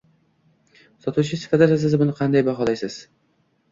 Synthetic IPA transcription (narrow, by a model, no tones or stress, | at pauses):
sɒt̪ʰut͡ʃʰɪsɪ̥fat̪aɾas̬ɪzbʊnɪqʰɑnd̪ajbaχɒlˠajsɪz̥